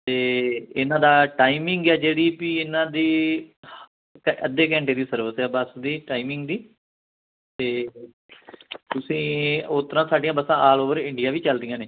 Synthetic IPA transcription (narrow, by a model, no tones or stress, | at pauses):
t̪eːɪnãːd̪aːʈaːimɪŋɡɛːd͡ʒeːɽiːpiːɪnãːd̪iː | kəd̪eːk̬ɛ̃ːɳʈeːd̪iːsəɾʋəsɛːbəsd̪iːʈaːimɪ̃ŋɡd̪iː | t̪eː | t̪ʊsĩːʊt̪əɾãːsaːɖijãːbəsãːʔaːloːʋəɾɪɳɖɪjaːʋiːt͡ʃəld̪ɪjãːneː